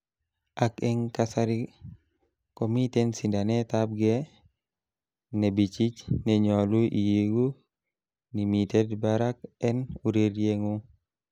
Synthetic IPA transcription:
akɛŋkasaɾi | komitensindanet̪ab̚ɡe | nebit͡ʃit͡ʃnɛɲɔluʔḭjeɡu | nimitedbaɾak̚ɛnuɾeɾjeŋu

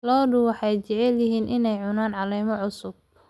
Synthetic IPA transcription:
lɔːdʊwɑħɑjt͡ʃɛʕɛljɪɦiːnʔɪnɛjʕʊnaːnʕɑlɛjmɔʕʊsʊb̚

